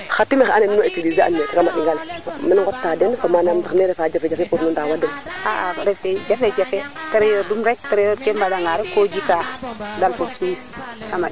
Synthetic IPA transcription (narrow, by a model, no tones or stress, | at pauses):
xatːimexaneminoetiɡizeʔa̰nːetakamaɗiŋɡalminŋɡotːadenfamanamdaxneɾefaːd͡ʒafed͡ʒafepuɾnudawadumaʔaɾefed͡ʒafed͡ʒafeteɾejodumɾekteɾejodkembadaŋɡaɾekod͡ʒikadalfosi | kama